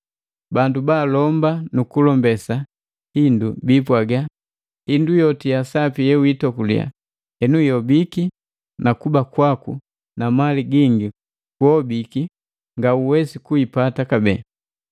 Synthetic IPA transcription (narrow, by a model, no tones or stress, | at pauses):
bandubaːlɔmbanukulɔmbɛsa | hindubipwaɡa | hindujɔtijasapijɛwitɔkulḭa̰ | hɛnujɔbiki | nakubakwaku | namaliɡiŋɡi | kwɔbiki | ŋɡauwɛsikuipatakabɛ̰